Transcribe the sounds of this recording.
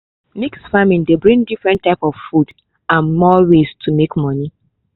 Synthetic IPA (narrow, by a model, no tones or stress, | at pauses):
miksfamĩndebɹĩŋdifɹɛ̃ntːaɪpɔv̥fud | ãnmɔɹestʰumekmɔni